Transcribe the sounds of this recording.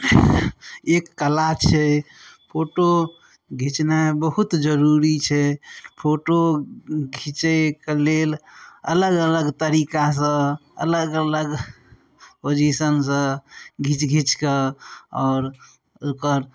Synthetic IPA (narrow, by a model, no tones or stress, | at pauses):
ekːəlat͡ʃʰɛpʰoʈo | ɡʱit͡ʃnabəɦut̪d͡ʒəɾuɾit͡ʃʰɛpʰoʈoɡʱit͡ʃekəlelə̰ləɡələɡt̪əɾikas̬ə̃ə̰ləɡələɡ | pod͡ʒisənsə̃ɡʱit͡ʃɡʱit͡ʃkəɔːɾ | okəɾ